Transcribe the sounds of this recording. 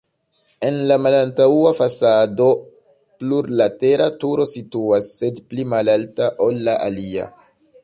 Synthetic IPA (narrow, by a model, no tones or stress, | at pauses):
e̞nlamalantauafasado̞ | pluɾlate̞ɾʔatuɾo̞situasːe̞dplimalaltaʔo̞lːaʔa̰lia̰